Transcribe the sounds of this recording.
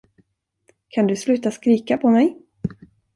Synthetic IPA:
kʰand̪ɵslʉ̟ːt̪askɾiːkapʰɔmɛj

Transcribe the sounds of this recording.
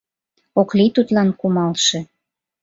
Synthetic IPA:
oklit̪ut̪lɑnkumɑlʃe

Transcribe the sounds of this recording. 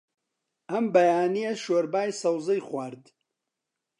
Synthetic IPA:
ɐmbɐjaːnijɐʃoɾbaːjsɐwzɐjχwaɾd̪

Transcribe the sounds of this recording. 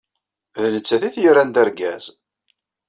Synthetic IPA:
ðnət͡sːæθiθjəɾænd̪æɾɡæ̰z

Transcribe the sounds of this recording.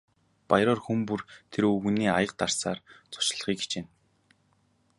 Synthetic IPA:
pajɾɔːrxumpurt̪ʰeɾɵɣ̆niːajə̆q̚t̪ar̥saːrt͡sʊ̥t͡ɕ̆ɮ̆χiːke̥t͡ɕeːn

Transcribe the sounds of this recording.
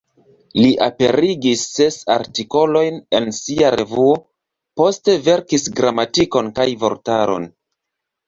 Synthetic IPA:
liʔa̰pe̞ɾiɡisːe̞sa̰ɾtiko̞lo̞jne̞nsiaɾe̞vuo̞ | po̞ste̞ve̞ɾkisɡɾamatiko̞nkajvo̞̰ɾtaɾo̞̰n

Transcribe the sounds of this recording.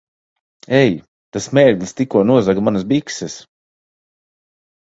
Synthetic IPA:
ɛj | t̪asmɛːɾɡʲlʲst̪ikuɔnuɔzaɡmanasbiksɛs

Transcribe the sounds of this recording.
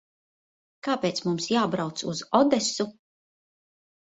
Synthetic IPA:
kaːpeːt̪smumsjaːbɾawt̪suzɔd̪ɛsu

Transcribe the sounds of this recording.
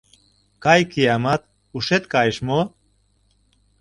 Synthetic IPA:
kɑjkiɑmɑt̪̚ | uʃet̪kɑjʃmo

